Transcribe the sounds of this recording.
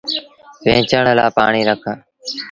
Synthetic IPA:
ʋẽːt͡ʃəɳla̰ːpaːɳiːɾəkʰaː

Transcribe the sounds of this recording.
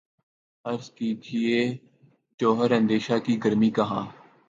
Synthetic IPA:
ɐɾzkiːd͡ʒieː | d͡ʒoːɦəɾɐ̃nd̪eːʃakiɡəɾmiːkɐɦãː

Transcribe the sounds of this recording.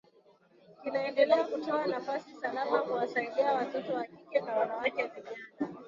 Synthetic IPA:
kinaɛndɛlɛakutɔanafasisalamakuwasaiɗiawatɔtɔwakikɛnawanawakɛvamiaka

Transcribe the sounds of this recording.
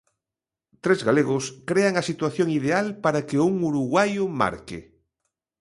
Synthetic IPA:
t̪ɾezɣaleɣʊskɾeaŋɐsit̪waθjoŋið̞ealpaɾakɪuŋuɾuɣwajʊma̰ɾkɪ̰

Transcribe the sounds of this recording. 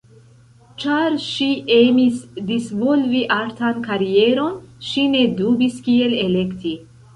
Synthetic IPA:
t͡ʃaɾʃiʔemisdisvolviʔaɾtankaɾieɾo̞nʃine̞dubiskie̞le̞le̞kti

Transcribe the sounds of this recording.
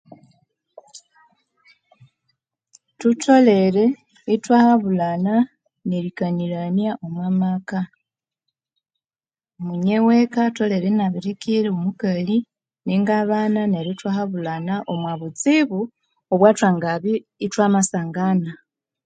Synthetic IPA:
tutʰo̞le̞ɾe̞ | itwaːhaβulana | neɾikaniɾanjaʔomwaːmaka | omuɲewekato̞le̞ɾenaβiɾikiɾeomukali | niŋɡaβanane̞ɾitwahaβulanaʔomwaβut͡siβu | oβwaːtwaːŋɡaβiː | twaːmasaːŋɡana

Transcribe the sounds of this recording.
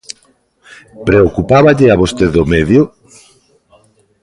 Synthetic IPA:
pɾeokupaβaʎeaβost̪eðomeðjo

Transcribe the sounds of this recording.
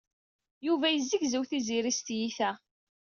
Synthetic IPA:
juvæjəzːiɡzəwθiziɾist̪jiθæ

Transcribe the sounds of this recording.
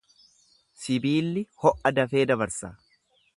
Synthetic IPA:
sɪbiːlːɪhɔʔɐd̪ɐfe̞ːd̪ɐbɐɾsa̰ː

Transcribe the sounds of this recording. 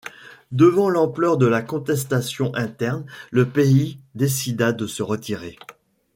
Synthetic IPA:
d̪əvɑ̃lɑ̃plœʁd̪əlakɔ̃t̪ɛs̬t̪asjɔ̃ʔɛ̃t̪ɛʁnləpeid̪esid̪ad̪əsəʁət̪ʰiʁe

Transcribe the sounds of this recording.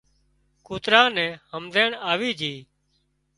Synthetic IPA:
kuːt̪ɾãːnɛ̃ːhəmd̪ʱeːɳaːʋiːd͡ʒʱiː

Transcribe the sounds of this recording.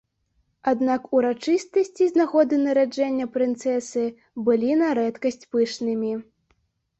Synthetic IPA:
ad̪nakuɾat͡ʂɨst̪ɐsʲt͡sʲiznaɣɔd̪ɨnɐɾad͡ʐɛnʲːɐpɾɨnt̪sɛsɨ | bɨlʲinaɾɛt̪kɐsʲt͡sʲpɨʂnɨmʲi

